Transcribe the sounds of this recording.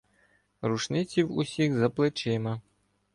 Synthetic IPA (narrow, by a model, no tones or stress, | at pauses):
ɾuʂnɪt͡sʲiwusʲixzɐplˠɛt͡ʃɛmɐ